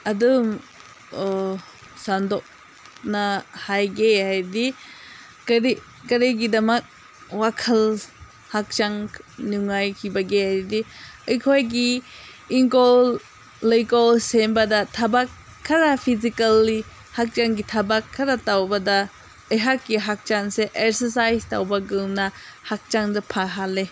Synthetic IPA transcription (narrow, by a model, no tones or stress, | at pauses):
ɐdum | sandɔk̚ | nɐhajɡehajdi | kɐɾi | kɐɾeɡidɐmɐk̚ | wakʰɐl | hak̚t͡ʃaŋnuŋajkʰibɐɡehajdiəjkʰojɡi | iŋkolː | ejkolsembɐdɐtʰɐbakʰː | ɐɾɐpʰizikɐlːi | hak̚t͡ʃaŋɡitʰɐbakʰːɐɾɐtawbɐdɐ | ɐjɦakːiɦak̚t͡ʃaŋseʔek̚sɐsajsta̰wbɐɡɯŋnɐhak̚t͡ʃaŋdɐpʰaɦale